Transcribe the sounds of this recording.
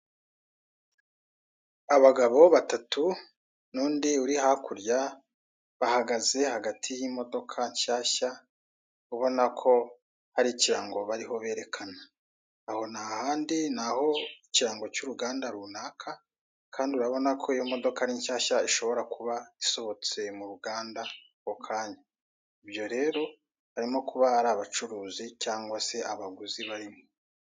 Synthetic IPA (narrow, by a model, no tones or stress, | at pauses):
aβaɡaβo̞βatatʰu | nuːndiuɾiɦakuɾja | βahaɡaze̞haɡatʰijimo̞do̞kʰaɲʃaːça | uβo̞nakʰo̞ | haɾiciɾaːŋɡo̞βaɾiho̞βe̞ɾe̞kʰanaː | ho̞nahaːndinaho̞iciɾaːŋɡo̞cuːɾuɡaːndaɾunakʰa | kʰaːndiuɾaβo̞nakʰo̞ijo̞mo̞d̪o̞kaɾiːɲʃaːʃaiʃo̞βo̞ɾakuβaiso̞βo̞t͡se̞muɾuɡaːnda | kokʰaːɲa | ibjo̞ɾe̞ːɾo̞ | haɾimo̞kuβahaɾaːβat͡ʃuɾuːzicaːŋɡwase̞aβaɡuziβaɾimo